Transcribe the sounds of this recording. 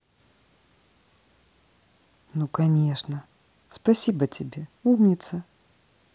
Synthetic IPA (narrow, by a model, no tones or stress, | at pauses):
nukanʲeʂnə | spasʲibətʲɪbʲeumnʲɪt̪sə